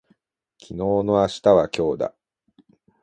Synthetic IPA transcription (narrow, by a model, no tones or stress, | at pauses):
kʲʰino̞ːno̞aɕi̥t̪aβakʲo̞ːd̪a̰